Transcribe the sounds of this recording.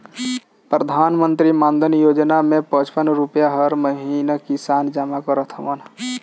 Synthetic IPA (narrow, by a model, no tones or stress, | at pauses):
pɾəd̪ʱaːnmə̃nt̪ɾimãnd̪ʱənjoːd͡ʒnamẽpə̃t͡ʃpənɾʊpjaɦəɾməɦinakisaːnd͡ʒəmakoɾət̪ʰəman